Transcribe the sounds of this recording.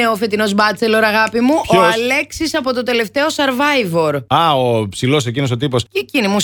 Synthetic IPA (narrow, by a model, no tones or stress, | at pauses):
eofe̞t̪ino̞zbɐt͡selo̞ɾɐɣɐpimuooɐle̞ksisɐpo̞t̪ot̪e̞le̞ft̪e̞o̞sɐɾvɐjvo̞ɾɐopsilo̞secino̞s̬ot̪ipo̞scecinimus